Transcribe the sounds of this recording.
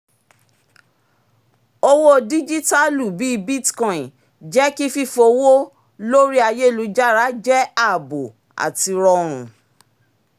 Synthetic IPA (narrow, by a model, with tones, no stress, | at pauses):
o˦wo˦di˦d͡ʒi˦ta˦lu˦˨bi˨˦˧bi˦tkɔ̃˦˨ĩ˨ | d͡ʒɛ˦ki˦fi˦fo˧wo˦ | lo˦ɾi˦a˧je˦˨lu˧˦d͡ʒa˦ɾa˦d͡ʒɛ˦a˦˨bo˨ | a̰˨ti˧ɾɔ˧ɾ̃ũ˨